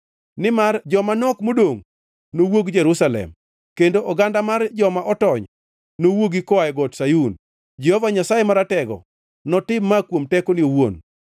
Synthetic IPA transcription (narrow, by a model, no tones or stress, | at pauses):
nɪmard͡ʒɔmanɔkmodoŋ | nowoɡd͡ʒɛɾusalɛ̰m | kendoʔɔɡandamard͡ʒɔmaʔɔtɔɲ | nowoɡikɔaɛɡɔtsajun | d͡ʒɛhɔvaɲasajemaɾatɛɡɔ̰ | nɔtɪmːakwomtɛkonɪowon